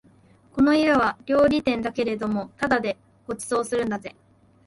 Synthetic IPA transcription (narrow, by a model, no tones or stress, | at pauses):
ko̞no̞iɾaβaɾʲo̞ːɾʲit̪ẽ̞nd̪ake̞ɾe̞d̪o̞mo̞t̪ad̪ad̪e̞ | ho̞t͡sɨ̥zo̞ːsɨɾɯ̟nd̪aze̞